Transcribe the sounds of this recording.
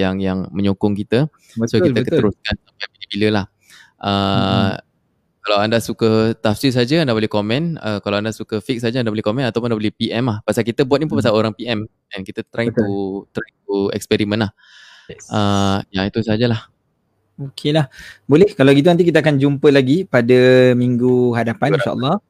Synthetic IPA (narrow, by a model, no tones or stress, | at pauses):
jaŋjaŋmə̃ɲokʊŋkit̪ə | sokiətkət̪əɾuskansampajbidibiləlah | ʔə | kalawandasukət̪afsis̬ad͡ʒaandabolɛhkomɛ̃nə̰kalawandasukəfik̚sad͡ʒandabolɛhkomɛ̃nat̪awpʊnandabolɛhpiʔɛmlahpasalkit̪əbuat̪̚nipʊnpas̬aloɾaŋpiɛm | ɛnkit̪ət̪ɾaŋtut̪ɾaŋt̪uɛ̰k̚spɛɾimə̃nah | əjait̪usad͡ʒalah | okʰelahbolɛhkalaɡit̪unant̪̬ikit̪̬aakand͡ʒumpəlaɡipadəmiŋɡuɦadapannʃa̰ʔɔ̰lːɔ